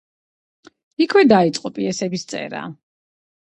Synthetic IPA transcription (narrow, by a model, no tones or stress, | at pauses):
ikʰwɛd̪ait̪sʼqʼɔpʼiɛsɛbist̪sʼɛ̰ɾa̰